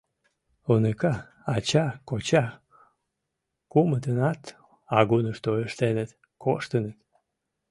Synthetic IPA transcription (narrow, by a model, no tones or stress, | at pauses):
onekaː | t͡ɕakot͡ɕa | kumət̪ənat̪ | ɑɡunəʃt̪ojəʃt̪enət̪ | koʃt̪ənət̪